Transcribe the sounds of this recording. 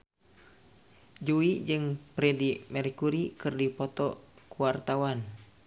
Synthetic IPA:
d͡ʒuid͡ʒɨŋpɾɛdimɛrkuɾikɨrdipɔt̪ɔkuwart̪awan

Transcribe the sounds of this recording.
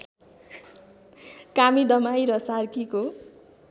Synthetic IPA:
kamid̪ʌmajɾʌsarkiko

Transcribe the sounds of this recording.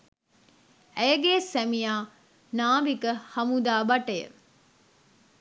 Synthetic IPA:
æjəɡeːsæmijaː | naːʋikəhɐmud̪aːbɐʈəjə̰

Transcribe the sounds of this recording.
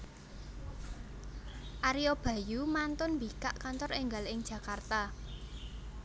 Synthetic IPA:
ʔaɾijob̥ä̤jumant̪ʊnmbikaʔkant̪ɔreŋɡalɪŋ̥ʒ̥ä̤kart̪a

